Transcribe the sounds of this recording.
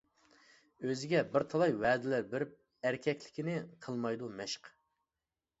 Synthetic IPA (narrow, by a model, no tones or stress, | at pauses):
øzɪɡʲɛbɪɾt̪ʰəlˠɑjwɛːd̪ɪlæɾbɪɾɪp̚ | æɾkʲʰɛkʲlɪ̥kʲinɪqʰəlˠmɑjd̪umɛʃq